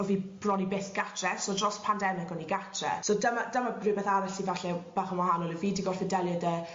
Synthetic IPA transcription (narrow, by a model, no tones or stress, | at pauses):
ɔviːb̥rɔnibeːθɡ̥atʰrɛsoːdrɔspʰandɛnɛɡɔniɡatʰrɛ̰sodəmadəmabrɨːbɛθaɾaɬivaɬɛb̥aːχənwaɦanɔlˠəviːdiɡɔrfɛdɛlˠjadə